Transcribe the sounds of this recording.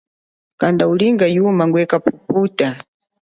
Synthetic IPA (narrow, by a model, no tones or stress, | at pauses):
kandauliŋɡajumaŋɡwɛkapuputa